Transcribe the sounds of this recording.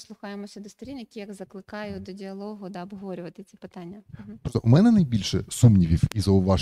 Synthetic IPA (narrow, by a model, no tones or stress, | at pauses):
slˠʊxɑjemɔsʲɛd̪ɔst̪ɔɾʲinːjɐkʲijɐɡzɐklˠɪkɑjʊd̪ɔdʲiɐlˠɔɦʊd̪ɐɔbɦʋɔɾʲʊʋɐt̪ɪt͡sʲipɪt̪ɑnʲːɐpɔzɐʔʊmɛnɛnɐjbʲilʲʃɛsumnʲiʋʲiwizɐʊʋɑʒ